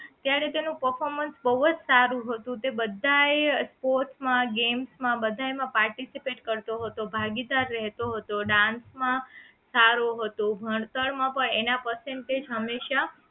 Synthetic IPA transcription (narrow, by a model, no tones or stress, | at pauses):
t̪jaɾet̪enũpəɾfʰoɾmənsbəʋəd͡ʒsaɾũɦət̪ũt̪ebəd̪ʱaespoɾʈsmãɡemsmãbəd̪ʱaemãpaɾʈisipeʈkəɾt̪oɦət̪obʱaɡid̪aɾːɛɦt̪oɦət̪oɖãnsmã | saɾoɦət̪obʱəɳt̪əɭmãpəɳenapəseɳʈed͡ʒɦəmːeʃa